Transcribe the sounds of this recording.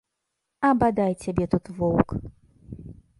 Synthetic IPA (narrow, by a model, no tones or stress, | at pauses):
ɐbad̪ajt͡sʲabʲɛt̪ut̪vɔwk